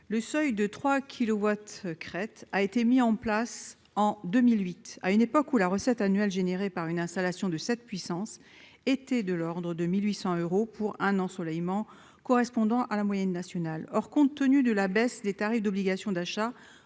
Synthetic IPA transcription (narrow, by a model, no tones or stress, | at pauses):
ləsœjd̪ət̪χwakʲʰilowat̪kχɛt̪aet̪emiɑ̃plas | ɑ̃d̪ømilɥit̪a̰ynepɔkulaʁəsɛt̪anɥɛlʒeneʁepaʁynɛ̃st̪alasjɔ̃d̪əsɛt̪̚pɥisɑ̃s | et̪ɛd̪əlɔʁd̪ʁəd̪əmilɥisɑ̃øʁopʰuʁɛ̃nɑ̃sɔlɛjmɑ̃ | kɔʁɛspɔ̃d̪ɑ̃ʔalamwajɛnːasjɔnalɔʁkɔ̃t̪ːənyd̪əlabɛsd̪et̪aʁifd̪ɔbliɡasjɔ̃d̪aʃa